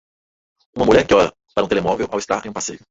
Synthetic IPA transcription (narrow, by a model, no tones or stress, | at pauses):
ũmɐmuʎɛɾkɪɔɾɐ̰ | paɾɐũt̪elemɔvewʔawɪst̪aɾẽj̃ũpasejʊ